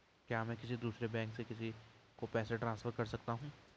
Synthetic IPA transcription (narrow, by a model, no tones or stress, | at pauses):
kjaːmɛ̃ːkɪsid̪uːsɾebɛ̃ːŋksekɪsikopɛːseʈɾãːnsfəɾkɐɾsɐkt̪aɦũː